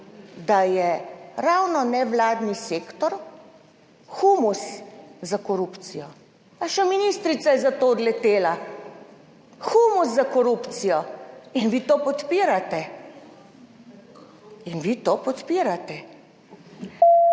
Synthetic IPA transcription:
d̪ajɛɾawnɔnɛʋlaːd̪niseːkt̪ɔɾ | xumuszakɔɾuːpt̪sijɔ | aʃɛminist̪ɾit̪sajɛzat̪oːd̪lɛt̪eːla | xumuszakɔɾupt̪sijɔinʋiːt̪oːpɔt̪piːɾat̪ɛ | inʋit̪opɔt̪piɾat̪ɛ

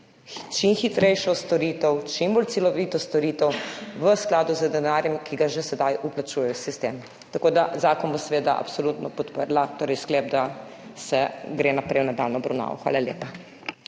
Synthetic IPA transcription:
t͡ʃimxit̪ɾɛjʃɔst̪ɔɾiːt̪ɛwt͡ʃimboːlt̪silɔʋiːt̪ɔst̪ɔɾiːt̪ɛwʋəsklaːd̪uzəd̪ɛnaɾjɛmkʰiɡaʒesɛd̪ajuplat͡ʃujɛjɔsist̪eːm | t̪akoːd̪azaːkɔnbosɛʋeːd̪a̰ʔa̰psɔlut̪nɔpɔt̪pəɾlat̪oːɾɛjsklɛb̚d̪a | sɛɡɾeːnapɾɛjwnad̪a̰lnɔbɾɐwna̰ːʋɔ̰xʋa̰ːlaljḛːpa

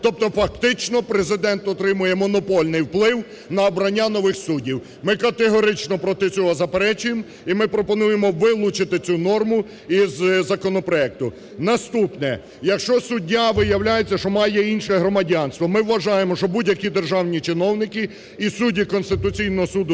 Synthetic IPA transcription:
t̪ɔp̚t̪ɔfɐk̚t̪ɪt͡ʃnɔpɾezɪd̪ɛnt̪ɔt̪ɾɪmʊjɛmɔnɔpɔlʲnɪjwplˠɪw | nɐɔbɾɐnʲːanɔʋɪxsudʲiw | mɪkɐt̪eɦɔɾɪt͡ʃnɔpɾɔt̪ɪt͡sʲɔɦɔzɐpeɾɛt͡ʃʊjem | imɪpɾɔpɔnujemɔʋɪlˠʊt͡ʃɪt̪ɪt͡sʲunɔrmʊ | izzɐkɔnɔpɾɔɛk̚t̪ʊ | nɐst̪upnɛ | jɐkʃt͡ʃɔsʊdʲːaʋɪjɐwlʲajet͡sʲːɐʃt͡ʃɔmɑjɛinʃɛɦɾɔmɐdʲanst̪ʋɔmɪwːɐʒɑjemɔʃt͡ʃɔbudʲjɐkʲid̪erʒɑwnʲit͡ʃɪnɔwnɪkɪ | isudʲikɔnst̪ɪt̪ʊt͡sʲijnɔɦɔsud̪ʊ

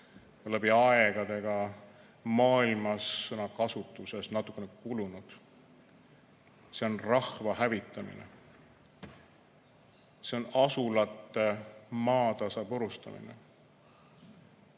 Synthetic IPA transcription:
olæbiɑeɡ̥ɑd̪̥e̞ɡ̥ɑ | mɑːilmɑsːɤnɑkɑsut̪ːˑuse̞snɑt̪ːˑukːˑenekulunud̪̥ | se̞o̞nrɑhvɑhævit̪ːˑɑmḭnḛ | se̞o̞nɑsulɑt̪ːˑe̞mɑːt̪ɑsɑpoɾust̪ɑmḭnḛ

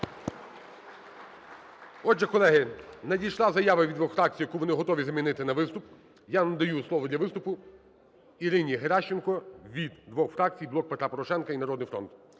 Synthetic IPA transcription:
ɔd͡ʒʒɛkɔlˠɛɦɪnɐdʲijʃlˠazɐjaʋɐʋʲid̪ʋɔxfɾɑk̚t͡sʲijɐkuʋɔnɪɦɔt̪ɔʋʲizɐmʲinɪt̪ɪnɐʋɪst̪ʊp | janɐd̪ɐjuslˠɔʋɔd̪lʲɐʋɪst̪ʊpʊ | iɾɪnʲiɦeɾaʃt͡ʃːenkɔʋʲid̪d̪ʋɔxfɾɑk̚t͡sʲijblˠɔk̚pet̪ɾapɔɾɔʃɛnkɐinɐɾɔd̪nɪjfɾɔ̰nt̪

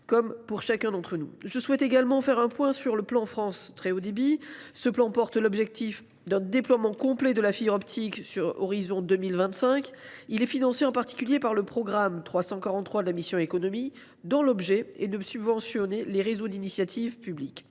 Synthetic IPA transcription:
kɔmpuʁʃakʲɛ̃d̪ɑ̃t̪χənṵʒəswɛt̪eɡalmɑ̃fɛʁɛ̃pwɛ̃syʁləplɑ̃fχɑ̃st̪χeod̪ebisəplɑ̃pɔʁt̪lɔbʒɛk̚t̪if | d̪ɛ̃d̪eplwamɑ̃kɔ̃plɛd̪əlafiʁɔpt̪ʰiksyʁɔ̰ʁizɔ̃d̪ømilvɛ̃t̪sɛ̃kilɛfinɑ̃seɑ̃paʁt̪i̥kʲyljepaʁləpχɔɡʁamt̪χwasɑ̃kaʁɑ̃t̪χwad̪əlamisjɔ̃ekɔnɔmi | d̪ɑ̃lɔbʒɛed̪əsybvɑ̃sjɔneleʁezod̪inisjat̪ʰivpyblik

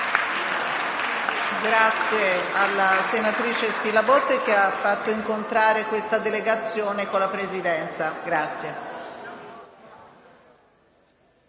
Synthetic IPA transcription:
ɡɾat̪sjealːasenat̪ɾiːt͡ʃespilabot̪ːek̟eafːat̪ːoiŋkont̪ɾaːɾekwest̪ad̪eleɡat̪sːjoːnekolːapɾezid̪ɛnt̪saɡɾat̪sːje

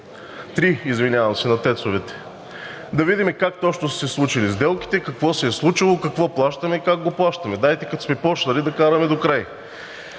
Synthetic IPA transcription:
t̪ɾiizvinʲavɐmsɛnɐt̪ɛt̪sovɛt̪ɛ̥ | d̪ɐvid̪ʲimɛkak̚t̪ɔt͡ʃnosɛslˠut͡ʃilizd̪ɛlˠki̥t̪ɛkɐkvɔsɛːslˠut͡ʃilˠokɐkvɔplˠaʃt̪ɐmɛikaɡɡoplˠaʃt̪ɐmɛd̪ajt̪ɛkɐt̪o̥smɛpɔt͡ʃnɐlid̪ɐkaɾɐmɛd̪okɾaj

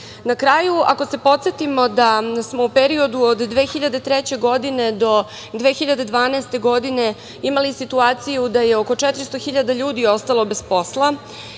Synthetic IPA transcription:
nakɾaːjua̰ko̞se̞po̞t̪sje̞t̪imo̞d̪asmo̞upeɾio̞d̪uod̪ːʋe̞ːxiʎad̪e̞t̪ɾet͡ɕe̞ɡo̞d̪ine̞d̪o̞ | d̪ʋe̞ːxiʎad̪e̞d̪ʋaːneːst̪e̞ɡo̞d̪ine̞ | imalisit̪uaːt̪sijud̪aje̞o̞ko̞t͡ʂɛt̪ɾist̪oxiʎad̪aʎuːd̪io̞st̪alo̞be̞spo̞slˠa

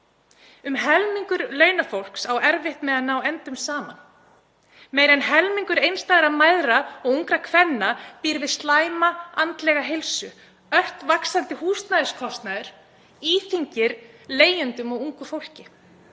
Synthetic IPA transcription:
ʏmɦɛlmiŋkʏɾlœːɥnafowl̥ksawɛɾvɪht̪mɛðaðnawɛnt̪ʏmsaːma̰n | meːjɾɛnɦɛlmiŋkʏɾejnst̪aːðɪɾaðmaːjðɾaɔɣuŋkɾakʰvɛnːapiːɾvɪðst̪laːjmaant̪lɛɣaɦɪlsʏ | œht̪vaksant̪ɪhuːst̪naðɪskʰɔst̪naðɪɾ̥ | iːθiɲcɪɾleːjʏnt̪ʏmɔɣuŋkʏfowl̥cɪ

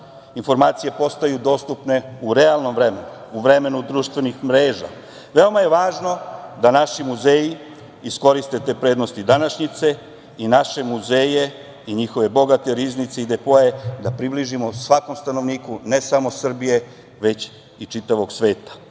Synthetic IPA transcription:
info̞ɾmaːt̪sije̞po̞st̪ajud̪o̞ːst̪upne̞uɾe̞alˠno̞mvɾe̞menuuʋɾe̞me̞nud̪ɾuːʃt̪ʋe̞nixmɾeːʒa̰ | ʋeo̞maje̞ʋaːʒno̞d̪anaʃimuzeːji | isko̞ɾist̪e̞t̪epɾe̞ːd̪no̞st̪id̪anaʃɲit̪se̞ | inaʃe̞muze̞ːje̞ | iɲixo̞ʋe̞bo̞ɡat̪e̞ɾiznit̪se̞id̪epoe̞d̪apɾibliʒimo̞sʋako̞mst̪ano̞ʋniːkune̞samo̞sr̩bije̞ | ʋe̞t͡ɕ | it͡ʃit̪aʋo̞ɡsʋe̞ːt̪ḁ

